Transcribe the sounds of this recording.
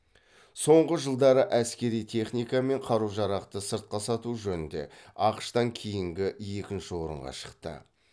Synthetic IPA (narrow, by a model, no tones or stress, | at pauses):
so̞ɴʁəʒəlˠd̪ɑɾəʔæskʲe̞ɾijt̪ʰe̞χnijkɑme̞ɴqʰɑɾuʒɑɾɑqt̪əsəɾt̪̚qɑsɑt̪uʒɵnɪnd̪e̞̰ɑqə̥ʃt̪ɑŋkʲʰejɪŋɡʲɪje̞kʲɪnʃɪwo̞ɾə̰ɴʁɑ̰ʃə̥qt̪ə̰